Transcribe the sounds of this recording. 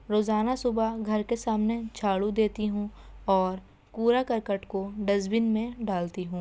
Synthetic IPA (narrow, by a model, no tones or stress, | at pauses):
ɾoːzaːnasʊbaɡʱɐɾkesaːmnet͡ʃʰaːɽud̪eːt̪iɦũːɔːɾ | puːɾakɐɾkəʈkoɖɐzbɪnmẽɖaːlt̪iɦũː